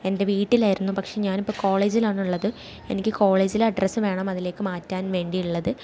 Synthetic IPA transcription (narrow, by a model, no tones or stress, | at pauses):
e̞nde̞ʋiːʈːilaːjiɾunːupɐkʂe̞ːɲaːnipːoːko̞ːɭe̞ːd͡ʑilaːɳuɭːɐðɨ | e̞nikʲːɨko̞ːɭe̞ːd͡ʑilɐɖrɐsɨʋe̞ːɳɐmɐðile̞ːkːɨmaːtːaːnʋe̞ːɳɖiuɭːɐðɨ